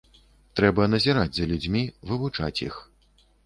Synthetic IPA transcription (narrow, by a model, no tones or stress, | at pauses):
t̪ɾɛbɐnɐzʲiɾad͡zʲzɐlʲud͡zʲmʲivɨvut͡ʂa̰t͡sʲjḭx